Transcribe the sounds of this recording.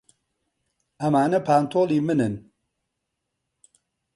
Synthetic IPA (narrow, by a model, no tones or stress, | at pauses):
ʔɐmaːnɐpʰaːnt̪ʰoːlˠiːmɨnɨn